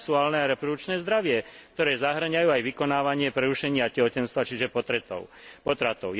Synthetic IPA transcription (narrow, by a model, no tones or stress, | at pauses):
suaːlnɛaɾɛpɾɔd̪ut͡ʃnɛːzd̪ɾaʋɪɛk̚t̪ɔɾɛːzaɦr̩ɲajuːajʋikɔnaːʋaɲɪɛpɾɛɾuʃɛɲiacɛɦɔcɛnst̪ʋat͡ʃiʒɛpɔt̪ɾɛt̪ɔ̰ʊpɔt̪ɾat̪ɔʊ